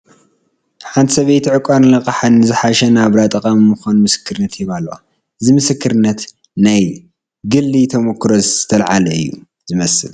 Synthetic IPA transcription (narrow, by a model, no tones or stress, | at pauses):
ħant̪ʰsɐβejt̪ʰʕɨkʼaɾlɐkʼɐħanːɨzɨħaʃɐnaβɾat̪ʼɐkʼammɨxanmɨsɨ̥kʰːɨɾɨnːɐt̪jɛβalːowa̰ | ɨzimɨsɨkʰːɨɾɨnːɐt̪ | naj | ɡɨlːit̪ʰɐmɐkʰːɾoz̥ɨt̪ʰɐlʕalɐɨ̰jːṵ | z̥ɨmɐsɨ̰l